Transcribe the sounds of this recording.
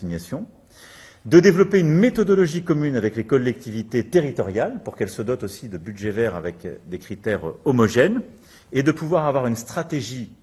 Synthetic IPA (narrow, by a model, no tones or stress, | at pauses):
iɲjasjɔ̃ | d̪əd̪evlɔpeynmet̪ɔd̪ɔlɔʒikɔmynavɛklekɔlːɛk̚t̪ivit̪et̪eʁit̪ɔʁjalpuʁkɛlsəd̪ɔt̪osid̪əbylʒɛvɛʁa̰vɛkd̪ekχit̪ɛʁɔmɔʒɛn | ed̪əpuvwaʁavwaʁynst̪χat̪eʒi